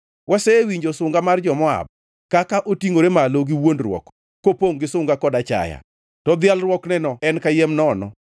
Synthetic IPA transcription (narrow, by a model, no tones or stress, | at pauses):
wʔasɛwiɲd͡ʒosʊŋɡamard͡ʒɔmɔa̰b̚ | kakaʔotiŋoɾemaloɡiwondrwɔ̰kː | opoŋɡɪsʊŋɡakɔdat͡ʃa̰ja̰ | tɔd̪ɪalrwɔknɛnɔɛnkajɛmnɔnɔ̰